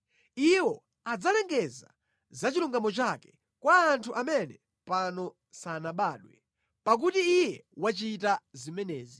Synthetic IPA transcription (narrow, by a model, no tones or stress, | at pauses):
iwɔ | ad͡zalɛŋɡɛza | zat͡ʃiluŋɡamɔt͡ʃakɛ̥ | kwaːntʰuʔamɛnɛ | panɔ | sanaɓaːɗwɛ | pak̬utiːjɛwat͡ʃitazimɛnɛːzi